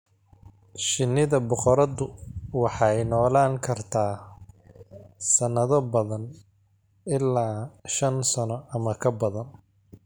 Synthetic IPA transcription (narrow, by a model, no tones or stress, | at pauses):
ʃɪnːɪðɐbʊqɔɾɐðʊwɑħɑjnɔːlaːŋkʰɐrt̪ʰaː | sɐnːɐðɔbɐðɐn | ɪlːaːʃɐnsɐnɔʔɐmɐkʰɐbɐðɐn